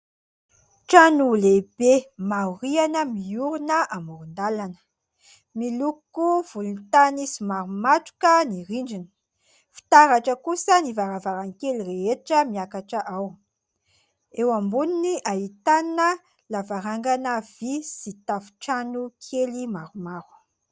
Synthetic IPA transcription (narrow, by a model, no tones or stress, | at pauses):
ʈ͡ʂanulebemauɾianəmiuɾunəʔamuɾund̪alanə̥ | milukuv̥ulunt̪anisimaɾumaʈ͡ʂu̥kəniɾiɳɖ͡ʐinə̥ | fi̥t̪aɾaʈ͡ʂəkusənivaɾavaɾaŋkelireɦeʈ͡ʂəmiakaʈ͡ʂəʔaw | ewambuniniʔaɦit̪annə | lavaɾaŋɡanəvisit̪afu̥ʈ͡ʂanukʰelimaɾumaɾu̥